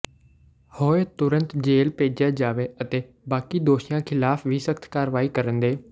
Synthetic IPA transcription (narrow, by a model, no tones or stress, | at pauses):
hoːeːt̪ʊɾənt̪d͡ʒeːlpeːd͡ʒjaːd͡ʒaːʋeːət̪eː | baːkiːd̪oːʃɪjãːkʰɪlaːfʰʋiːsəkʰt̪ʰkaːɾʋaːiːkəɾənd̪eː